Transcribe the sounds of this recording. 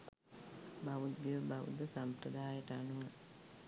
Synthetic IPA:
baʋut̪̚ɡiʋəbaʋṵd̪əsampɾəd̪aːjəʈəanuʋə

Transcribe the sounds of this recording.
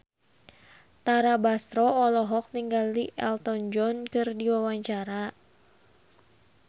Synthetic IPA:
t̪aɾabast̪ɾɔːlɔɦɔk̚t̪iŋɡaliʔɛlt̪ɔnd͡ʒɔnkɨrdiwawaɲt͡ʃaɾa

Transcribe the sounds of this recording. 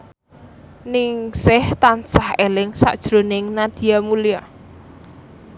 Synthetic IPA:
nɪŋsɪht̪ansahelɪŋsa̰ʔd̥ʒ̥ɾonɪŋnad̪̥i̤jamulija

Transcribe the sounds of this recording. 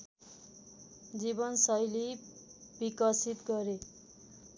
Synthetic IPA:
d͡zibʌnsʌjlibikʌsit̪ɡʌɾe

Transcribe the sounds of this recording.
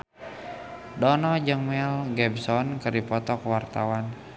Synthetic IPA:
dɔnɔd͡ʒɨŋmɛlɡɛbsɔnkɨrdipɔt̪ɔkwart̪a̰wan

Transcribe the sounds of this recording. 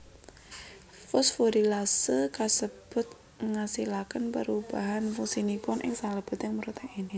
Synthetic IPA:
fɔsfoɾilasəkasəb̥ʊ̤t̪̚ | ŋasilakənpəɾub̥aɦanfuŋsinipʊnʔɪ̰ŋsaləb̥ʊ̤t̪jɪŋmuɾut̪aʔini

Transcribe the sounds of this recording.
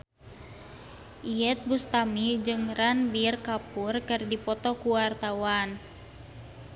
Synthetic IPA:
ʔiɛt̪̚bust̪amid͡ʒɨŋranbirkapurkɨrdipɔt̪ɔkuwart̪awan

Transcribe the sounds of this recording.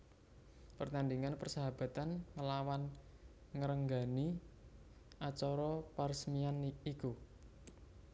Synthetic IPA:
pərt̪andiŋanpərsaɦab̥ä̤t̪anŋəlawanŋəɾəŋɡa̤ni | ʔat͡ʃɔɾɔparsəmianiku

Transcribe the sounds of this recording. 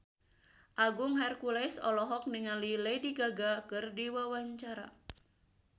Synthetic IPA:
ʔaɡʊŋɦarkulajsɔlɔɦɔk̚niŋalilejdiɡaɡakɨrdiwawaɲt͡ʃaɾa̰

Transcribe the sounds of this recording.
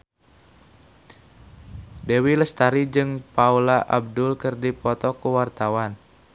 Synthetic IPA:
dewiləst̪aɾid͡ʒɨŋpaulaʔab̚dʊlkɨrdipɔt̪ɔkuwart̪awan

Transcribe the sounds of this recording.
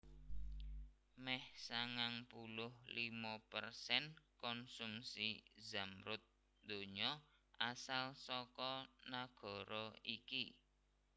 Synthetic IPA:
mɛhsaŋaŋpulʊhlimɔpərsɛnkɔnsumsizamɾʊt̪̚ | d̪o̤ɲɔʔasalsɔkɔnaɡ̥ɔ̤ɾɔiki

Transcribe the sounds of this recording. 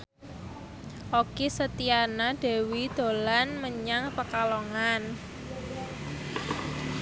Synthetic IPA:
ʔokisət̪ianad̪̥ɛ̤wid̪̥o̤lanməɲaŋpəkaloŋan

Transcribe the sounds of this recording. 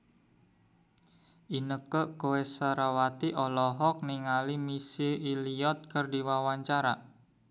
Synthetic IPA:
ʔinəkəkowesaɾawat̪iʔɔlɔɦɔk̚niŋalimisilʔiliɔt̪̚kərdiwawaɲt͡ʃaɾa

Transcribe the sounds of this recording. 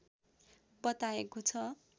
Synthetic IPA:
bʌt̪aekot͡sʰʌ

